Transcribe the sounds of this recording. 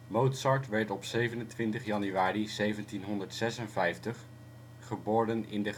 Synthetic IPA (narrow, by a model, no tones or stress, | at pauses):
mowtsɑɹtʋɛɹtɔpsejvənəntʋɪntəχjɑnyaːrizejvəntinɦɔndəɹtsɛsənvɛjftəχ | χəboːɹdənɪ̰ndə